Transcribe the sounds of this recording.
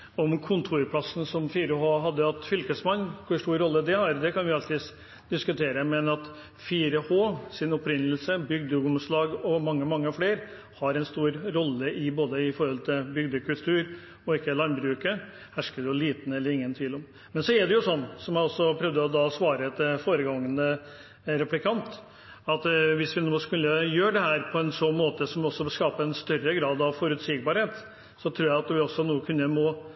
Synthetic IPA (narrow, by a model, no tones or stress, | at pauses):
ɔmkʰʊnt̪ʰuːɾpʰlɑsn̩sɔmfiːɾəhoːɦɑd̪ːəɑt̪fʏlkəsmɑnːkʰʊʂʈ̪uːɾːɔlːəd̪ɛhɑɾd̪ɛkʰɑnʋɪɑlt̪ɪ | d̪ɪskʉt̪ʰeːɾəmɛnɑt̪ | fiːɾəhoːsɪnɔpɾɪnːəlsəbʏɡd̪əʉɡʊmslɑːɡɔmɑŋːəmɑŋːəfleːɾ | hɑɾɛnst̪uːɾɾɔlːəʔɪboːd̪əɪfɔɾhɔlt̪ʰɪlbʏɡd̪əkʰʉlt̪ʰʉːɾ | ɔɪkːəlɑnbɾʉːkə | hæʂkəd̪ɛjʊliːt̪n̩ɛlːəɾɪŋːənt̪ʰʋiːlɔm | mɛnsɔɛɖ̪ɛjʊsɔnːsɔmjæɔsːɔpʰɾœʋd̪əɔd̪ɑsʋɑːɾəɛt̪foːɾəɡɑŋːənə | ɾɛplɪkʰɑnt̪ | ɑt̪ʋɪsʋɪnoːskʉlːəjøːɖɛɦæːɾpʰɔɛnsɔnmoːt̪əsɔmɔsːɔskɑːpəɛnst̪œɾːəɡɾɑːd̪ɑʋfɔɾʉt̪sɪɡ̚bɑːɾheːt̪ | sɔt̪ʰɾuːjæɪɑt̪ʋɪɔsːɔnuːəkʰʉnːəmɔ